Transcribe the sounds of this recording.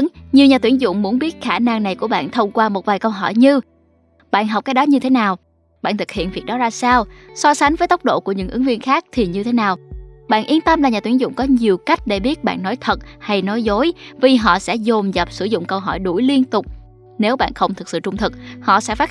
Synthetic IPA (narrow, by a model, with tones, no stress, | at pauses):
ŋɲi˨əwɲaː˨˩t̪wi˧˩ənzʊ̰˧˨ŋ͡mmu˨˦ənɓi˦˥ət̚xaː˧˩na˧ŋna˨˩jku˧˩əɓa̰ː˧˨nt̪ʰə˧wŋ͡mkwaː˧mo˨˩t̚vaː˨˩jkə˧wɦɔ˧˩jɲɨ˧ | ɓa̰ː˧˨nɦa˨˩k͡p̚kaː˨˥j̚ɗɔ˨˦ɲɨ˧t̪ʰe˨˦naː˨˩w | ɓa̰ː˧˨nt̪ʰɨ˨˩k̚hḭ˧˨ənvi˨˩ək̚ɗɔ˨˦zaː˧saː˧wsɔ˧sa˨˦jŋ̟vəː˨˦jt̪ə˦˥wk͡p̚ɗo̰˧˨ku˧˩əɲɨ̰˧˥ŋʔɨ˨˦ŋvi˧ənxaː˦˥k̚t̪ʰi˨˩ɲɨ˧t̪ʰe˨˦naː˨˩wɓa̰ː˧˨nʔi˧ənt̪ə˧mla˨˩ɲaː˨˩t̪wi˧˩əŋzʊ̰˧˨ŋ͡mkɔ˨˦ɲi˨˩əwka˦˥jk̟̚ɗe˧˩ɓi˦˥ət̚ɓa̰ː˧˨nːɔ˨˦jt̪ʰə˨˩t̚ha˧jnɔ˨˦jzo˨˦jvi˨˩ɦɔ̰˧˨sɛ̰˧˥zo˨˩mzə˨˩p̚sɨ˧˩zʊ̰˧˨ŋ͡mkə˧wɦɔ˧˩jɗu˧˩jli˧ənt̪ʊ˨˩k͡p̚ | ne˨˦wɓa̰ː˧˨nxə˧wŋ͡mt̪ʰɨ˨˩k̚sɨ̰˧˨t͡ɕʊ˧ŋ͡mt̪ʰɨ˨˩k̚hɔ̰˧˨sɛ̰˧˥faː˦˥